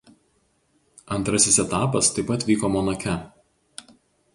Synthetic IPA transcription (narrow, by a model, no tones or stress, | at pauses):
ɐnt̪ɾɐsʲɪsɛt̪ɑːpɐst̪ɐɪpɐt̪ʋʲiːkomɔnɐkʲɛ